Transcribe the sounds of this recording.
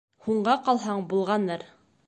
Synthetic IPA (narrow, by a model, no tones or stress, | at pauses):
huɴɢɑqɑlˠɦɑɴbulˠʁɑnːɤɾ